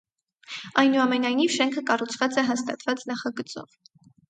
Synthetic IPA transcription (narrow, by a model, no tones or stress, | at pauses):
ɑjnuɑmɛnɑjnivʃɛŋkʰəkɑrut͡sʰvɑt͡sɛɦɑst̪ɑt̪vɑt͡snɑχɑɡət͡sɔ̰v̥